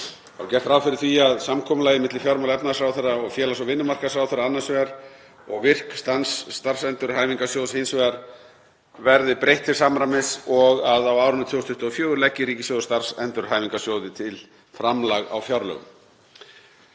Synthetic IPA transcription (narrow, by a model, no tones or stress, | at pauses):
a̰cɛr̥t̪ɾaːwfɪɾɪɾ̥θviaðsamkʰɔːmʏlajɣɪmɪt̪lɪfjaɾmawlɛpnaðsɾaːwθɛrːaɔɣfjɛːlasɔvɪnːʏmar̥kasɾawθɛɾːaanːansvɛaɾ | ɔɣvɪr̥kst̪ansːt̪ar̥sɛnt̪ʏɾ̥ɦaːjmiŋkasjowðsensvɛaɾ | vɛɾðɪpɾejht̪fɪɾ̥samɾamɪsɔɣaðawaːwɾʏnːʏt̪ʰiːwst̪ʰʏht̪ɔfjœːɣʏɾlɛcːɪɾiːcɪsjowðʏst̪ar̥sɛnt̪ʏɾ̥ɦaːjmiŋkasjowðɪt̪ʰɪl | fɾamlaɣa̰wfjaɾlœ̰ɣʏ̰m